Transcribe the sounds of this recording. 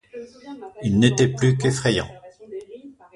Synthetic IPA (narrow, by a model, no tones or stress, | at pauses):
ilnet̪ɛplykefχɛjɑ̰̃